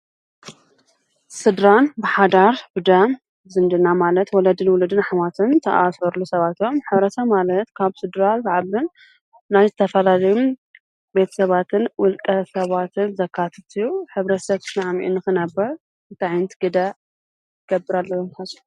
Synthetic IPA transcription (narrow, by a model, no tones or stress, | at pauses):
sɨd̪ɾanbɨħad̪aɾbɨd̪ɐm | zɨnd̪ɨnːamalɐt̪wɔlɐd̪ɨnwʊlɨd̪ɨnħmat̪ʰɨnt̪ʰɐʔasɐɾlusɐβat̪o̞mħɨβɾɐt̪ʰɐmalɐt̪kʰaβsɨd̪ɾalzaʕaβɨn | najzɨt̪ʰɐfɐlalɐjum | be̞t̪ʰɐ̥sɐβat̪ʰɨnwʊlkʼɐsɐβat̪ʰɨnzɐkʰːat̪ʰɐt̪ʰujuħɨβɾɐt̪sɐβt̪ʰɨnaʕmiʔṵnɨxɨnɐbːɐɾ | ɨnt̪ʰaʕjnt̪ʰɨɡɨd̪a | ɨɡɐbːɨɾalːɐwomkʰasu̥